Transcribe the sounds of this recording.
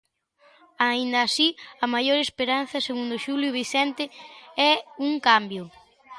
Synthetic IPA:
aind̪ɐːsiɐmajoɾespeɾan̟θɐseɣund̪ʊʃuljʊβiθɛnt̪ɪɛuŋkambjʊ

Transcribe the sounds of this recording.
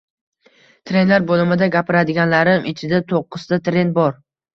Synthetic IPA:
t̪ʰɾe̞nlaɾbolˠɪmɪd̪aɡʲapɪɾad̪ɪɡʲanlaɾɪmʔɪt͡ʃʰɪd̪at̪ʰoqːɨst̪at̪ɾe̞n̚bɒɾ

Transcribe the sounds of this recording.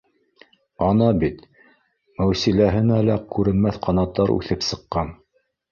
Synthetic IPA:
ɑnɑbit̪ | mæwsilæɦɘ̆nælækʉɾɘ̆nmæθqʰɑnɑt̪ːɑɾʔʉ̰θɘpsɤ̆qːɑn

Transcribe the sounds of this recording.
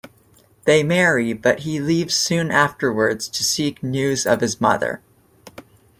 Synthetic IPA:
ðeɪmɛɹibʌt̚ɦilivz̥sʉ̃nʔæftə˞wə˞dz̥tʰɨsiknjʉzʌ̰v̥ɨzmʌ̰ðə̰˞

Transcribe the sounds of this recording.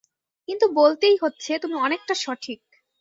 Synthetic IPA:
kint̪ubolt̪ejɦotːɕʰet̪umiɔnek̚ʈaʃɔʈʰik̚

